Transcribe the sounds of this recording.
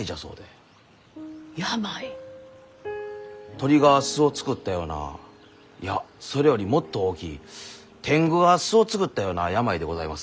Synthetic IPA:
iʑaso̞̰ːd̪e̞ | jamai | t̪o̞ɾʲiɡaasɨo̞t͡sɨ̥kɯ̟t̪ːajo̞ːna̰ | jaso̞ɾe̞jo̞ɾʲimo̞t̪ːo̞oːkʲḭː | t̪ʰẽ̞ŋɡɯ̟ɡasɨo̞t͡sɨ̥kɯ̟t̪ːajo̞ːnajamaid̪e̞ɡo̞zaimasɨ̥

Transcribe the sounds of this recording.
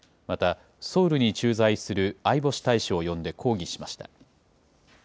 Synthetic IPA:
mat̪a | so̞ːɾɯ̟ɲ̟it͡ɕɨːzaisɨɾɯ̟aibo̞ɕi̥t̪aiɕio̞jõ̞nd̪e̞kʰo̞ːɡʲiɕi̥maɕi̥t̪a̰

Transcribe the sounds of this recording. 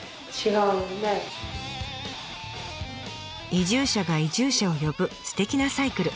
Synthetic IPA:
t͡ɕiɡaɯne | iʑɨːɕaɡaiʑɨːɕao̞jo̞bɯ̟sɨ̥t̪e̞kʲinasaikɯ̟ɾɯ̟

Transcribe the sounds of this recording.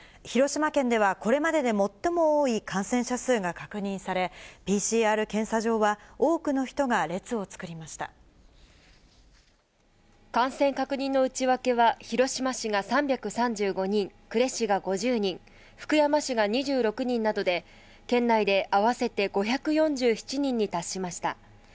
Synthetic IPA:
çiɾo̞ɕimakẽ̞nd̪e̞β̞ako̞ɾe̞mad̪e̞d̪e̞mo̞t̪ːo̞mo̞oːikãɰ̃sẽ̞ɰ̃ɕasɨːɡakakɯ̟ɲ̟ĩɰ̃saɾe̞pʲiːɕiːaːɾɯ̟kẽ̞ɰ̃saʑo̞ːβao̞ːkɯ̟no̞çi̥t̪o̞ɡaɾe̞t͡sɨo̞t͡sɨ̥kɯ̟ɾʲimaɕi̥t̪a̰ | kãɰ̃sẽ̞ŋkakɯ̟ɲ̟ĩnːo̞ɯ̟t͡ɕiβake̞βaçiɾo̞ɕimaɕiɡasãmbʲakɯ̟sãɲd͡ʑɨːɡo̞ɲ̟ĩŋkɯ̟ɾe̞ɕiɡaɡo̞ʑɨːɲ̟ĩŋ | ɸɯ̟̥kɯ̟jamaɕiɡaɲ̟iʑɨːɾo̞kɯ̟ɲ̟ĩnːad̪o̞d̪e̞ | kẽ̞nːaid̪e̞ʔaβase̞t̪e̞ɡo̞çakɯ̟jõ̞ɲ̟d͡ʑɨːçi̥t͡ɕiɲ̟ĩɲ̟ːit̪aɕːimaɕi̥t̪a̰

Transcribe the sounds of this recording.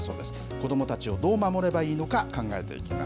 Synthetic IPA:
so̞̰ːd̪e̞sɨ̥ | ko̞d̪o̞mo̞t̪at͡ɕio̞d̪o̞ːmamo̞ɾe̞baiːno̞kakãŋɡae̞̰t̪e̞̰ḭkʲima̰

